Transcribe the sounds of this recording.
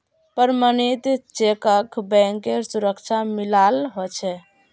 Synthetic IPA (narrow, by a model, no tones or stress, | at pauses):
pəɾmənit̪t͡ʃekəkbɛ̃ŋkeɾsuɾəkt͡ʃʰamilalɦot͡ʃʰɛ